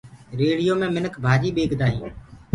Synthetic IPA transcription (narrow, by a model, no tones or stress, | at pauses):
ɾeːɽɪjoːmẽːmɪnəkʰbʱaːd͡ʒiːɓeːɡd̪aːɦĩː